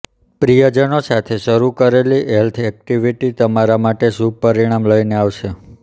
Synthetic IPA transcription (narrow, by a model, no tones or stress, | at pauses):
pɾijəd͡ʒənosat̪ʰeʃəɾukəɾeliʔɛlt̪ʰɛk̚ʈiʋiʈit̪əmaɾamaʈeʃupəɾiɽ̃amləineaʋʃe